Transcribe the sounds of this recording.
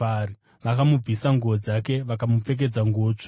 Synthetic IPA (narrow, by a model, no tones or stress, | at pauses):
ri | ʋakamub͡visaŋɡuod͡zake̞ʋakamup͡fe̞k̬e̞d͡zaŋɡoːt͡ʂḁ